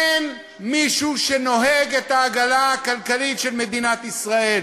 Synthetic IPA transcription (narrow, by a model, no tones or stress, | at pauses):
en | miʃuʃeno̞ɦeɡet̪aːɡalaːkalkalitʃe̞lme̞d̪inat̪isʁae̞l